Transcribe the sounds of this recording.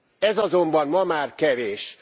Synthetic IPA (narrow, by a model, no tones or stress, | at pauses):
ɛzɒzo̞mbɒnmɒmaːrkɛveːʃ